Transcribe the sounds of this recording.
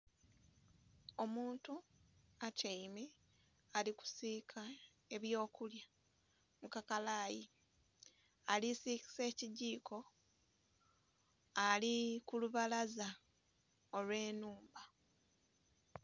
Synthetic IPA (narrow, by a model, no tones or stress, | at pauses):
o̞muːntuacʰeime | aliku̥sikʰa | e̞βjo̞ːkulja | mukakalaːji | alisiki̥se̞ːciɟiːkʰo̞ | alikuluβalaza | o̞lwe̞ːnuːmba